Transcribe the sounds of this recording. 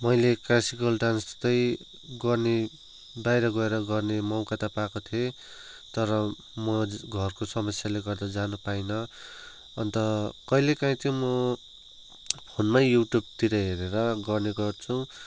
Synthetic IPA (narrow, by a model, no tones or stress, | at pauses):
mʌjleklasikʌlɖanst̪ʌj | ɡʌrne | bajɾʌɡʌeɾʌɡʌrnemʌwkat̪apakot̪ʰie | t̪ʌɾʌ | mʌɡʱʌrkosʌmʌsjaleɡʌrd̪ad͡zanupainʌ | ʌnt̪ʌkʌilekãĩt̪ʰjõmʌ | pʰonmajjuʈjub̚t̪iɾʌɦeɾeɾʌɡʌrneɡʌrt͡sʰu